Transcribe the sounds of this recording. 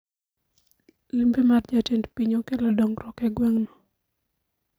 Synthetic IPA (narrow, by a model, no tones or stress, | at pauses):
limbemard͡ʒatɛndpiɲokelɔdoŋɾɔkɛɡwaŋno